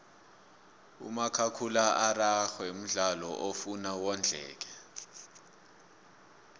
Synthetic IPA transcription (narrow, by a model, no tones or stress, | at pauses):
ṵmakʰakʰulaʔaraxwɛm̩ɮalɔʔofunawɔnd͡ɮʱɛ̰ːk̬ɛ